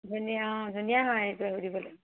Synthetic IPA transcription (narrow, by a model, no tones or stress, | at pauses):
dʱunijadʱunijanajtaɦudibɔla